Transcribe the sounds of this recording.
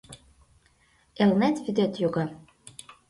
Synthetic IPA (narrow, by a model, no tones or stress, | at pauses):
elnæt̪βyd̪et̪joɣɑ